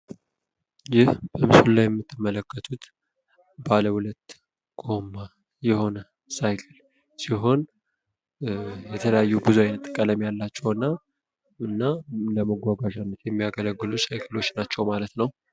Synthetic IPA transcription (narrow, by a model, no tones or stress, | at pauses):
jɪhb̥əmɨsullːajɛmːɨt̪ʰːɨmːələkːət̪ʰut̪ | baləhulət̪ | ɡ̥o̞mːa | jɛho̞nə | sajkʰɨl | siɦo̞n | jɛt̪ʰələjajːubɨzuajnət̪ʼːɨkʼələmjalːat͡ʃːɛwɨnːa | ɨnːaləməɡʷːaɡaʒanːət̪jɛmːijaɡələɡːɨlusajkʰɨlo̞t͡ʃːnat͡ʃːɛwmalət̪nəw